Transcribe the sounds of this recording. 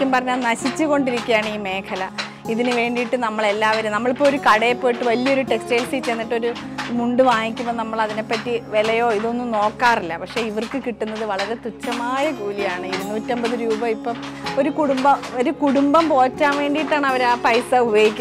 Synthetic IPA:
kːumpɐrɐɲːaːnɐɕit͡ɕːɨɣo̞ɳɖiɾikʲːujaːɳɨiːme̞ːkʰɐlɐ | iðinɨʋe̞ːɳɖijʈːɨnɐmːɐɭe̞lːaːʋɐɾumnɐmːɐɭipːoɭo̞ɾukɐɽepːo̞ːjiʈːɨʋɐlijɐo̞ɾuʈe̞ksteːlsit͡ɕe̞nːiʈːo̞ɾu | muɳɖɨʋaːnikʲːumːɐnɐmːɐɭɐðine̞pːɐtːiʋe̞lɐjo̞ːiðo̞nːuno̞ːkːaːrilːɐpɐkʂe̞ːiʋɐrkɨkiʈːunːɐðɨʋɐɭɐɾe̞t̪ut͡ɕːɐmaːjɐɡuːlijaːɳɨiɾunːuːtːembɐðɨɾuːbɐipːɐmo̞ɾukuɽumbɐoɾukuɽumbɐmpo̞ːtːaːnʋe̞ːɳɖijiʈːaːɳɨɐʋɐɾaːpɐjsɐubɐjikʲː

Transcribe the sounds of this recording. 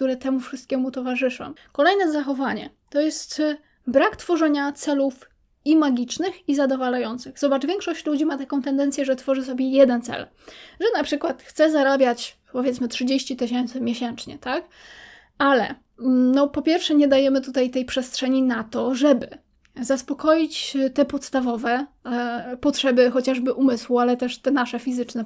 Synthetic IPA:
k̚t̪uɾɛt̪ɛmufʂɨst̪kʲɛmut̪ɔvaʐɘʂɔ̰̃w̃kɔlɛjnɛzaxɔvaɲɛ̰ | t̪ɔjɛst̪ | bɾakt̪fɔʐɛɲat̪sɛluf | imaɡʲit͡ʂnɘxizad̪ɔvalajɔnt̪sɘɣzɔbaʐvʲɛŋkʂɔɕt͡ɕlud͡ʑimat̪akɔ̃w̃t̪ɛnd̪ɛnsʲjɛʐɛt̪fɔʐɘs̬ɔbʲjɛjɛd̪ɛnt̪sɛ̰l | ʐɛnapʂɘkwat̪xt̪sɛzaɾabʲjat͡ɕ | pɔvʲjɛt̪smɘtʂɘd͡ʑeɕt͡ɕit̪ɘɕɛnt̪sɘmʲjeɕɛnt͡ʂɲɛ̰t̪ak | alɛ̰ | nɔpɔpʲjɛɾfʂɛɲɛd̪ajɛmɘt̪ut̪ajt̪ɛjpʂɛstʂɛɲinat̪ɔʐɛbɘ | zaspɔkɔjit͡ɕt̪ɛpɔt̪st̪avɔvɛ | pɔtʂɛbɘxɔt͡ɕaʐbɘʔumɘswualɛt̪ɛʂt̪ɛnaʂɛfʲizɘt͡ʂnɛ

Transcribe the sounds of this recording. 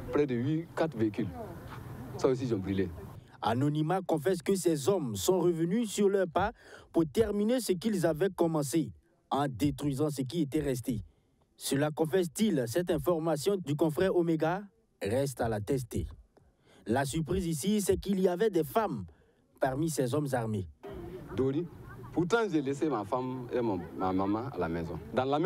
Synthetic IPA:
pɾɛd̪əɥikat̪χveikyl | saos̬iʒɔ̃mbʁile | a̰nɔnimakɔ̃fɛs̬kəsɛzɔmsɔ̃ʁəvənysyʁlœʁpapuʁt̪ɛʁminesəkilzavɛkɔmɑ̃se | ɑ̃d̪et̪χɥizɑ̃s̬ək̬iet̪ɛʁɛs̬t̪e | səlakɔ̃fɛs̬t̪ilsɛt̪ɛ̃fɔʁmasjɔ̃d̪ykɔ̃fʁɛʁomeɡa | ʁɛs̬t̪alat̪ɛs̬t̪ḛ | las̬yʁpχizisisɛkiliavɛd̪ɛfam | paʁmisɛzɔmzaʁmed̪oɾipuɾt̪ɑ̃ʒelesemafamema̰mamãa̰la̰mɛzɔ̃d̪ãlam

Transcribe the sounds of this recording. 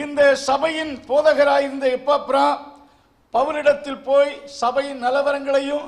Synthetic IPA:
ɪnd̪ɐsɐbɐjɪnpoːðɐɣɐɾaːjɪɾɯnd̪ɐɛpːaːpːɾãː | pɐʋɯlɪɽɐt̪ːɪlpoːjsɐbɐjɪnnɐlɐʋɐɾɐŋɡɐɭɐjɯm

